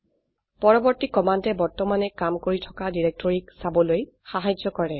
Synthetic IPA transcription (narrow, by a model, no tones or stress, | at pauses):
pɔɹɔbɔɹtikɔmantɛbɔɹtɔmanɛkamkoɹitʰɔ̥kadiɹɛk̚tɔɹiksabɔloj | xaɦajd͡ʒɔkɔɹɛ